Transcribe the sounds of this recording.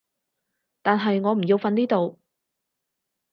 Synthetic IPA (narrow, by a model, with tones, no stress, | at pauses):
t̪aː˨nɦɐ˨jŋɔː˨˧m̩˨˩ji˧wfɐ˧niː˥t̪o˨w